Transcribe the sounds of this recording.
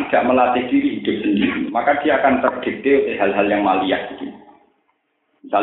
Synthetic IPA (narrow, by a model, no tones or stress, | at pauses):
ɡ̥aʔməlat̪ɪhd̥iɾiɦid̪̥ʊ̤p̚səndiɾimakad̪̥ijaːkant̪ərd̪̥e̤d̪eut̪ɪhɦalɦaljaŋmalijahid̪i | misal